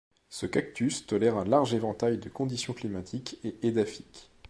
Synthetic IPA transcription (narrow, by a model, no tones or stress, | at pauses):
səkak̚t̪yst̪ɔlɛʁɛ̃laʁʒevɑ̃t̪ajd̪əkɔ̃d̪isjɔ̃klimat̪ʰikeʔed̪afi̥k